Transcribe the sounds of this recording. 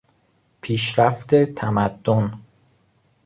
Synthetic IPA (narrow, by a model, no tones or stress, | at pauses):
pʰiːʃɾæft̪e̞t̪ʰæmæd̪̥ːon